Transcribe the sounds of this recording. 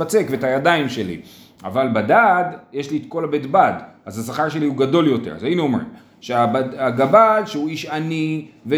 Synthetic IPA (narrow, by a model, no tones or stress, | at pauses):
at͡se̞kveetajadaimʃe̞lḭ | a̰valbadadjeʃlietko̞labet̪badazasaχaʁʃe̞liuɡado̞ljo̞tḛzainuomʁḭm | ʃeabaaɡabadʃeuiʃanive